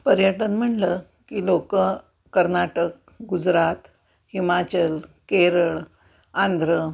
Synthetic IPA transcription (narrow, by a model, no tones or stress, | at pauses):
pəɾjəʈənm̤əɳlə | kiːlokəː | əɾnaʈək | ɡud͡zɾat̪ | himat͡ɕəlkeɾəɭ | ãnd̪ʱɾə